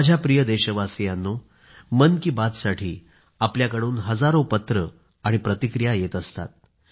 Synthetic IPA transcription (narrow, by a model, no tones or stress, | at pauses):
d͡ʑʱjapɾijəd̪eɕəʋasijanːo | mənkiːbad̪saʈʰḭː | apljakəɽuːnɦəd͡zaɾopət̪ɾə | aɽ̃ipɾət̪ikɾijajet̪əst̪a̰t̪̚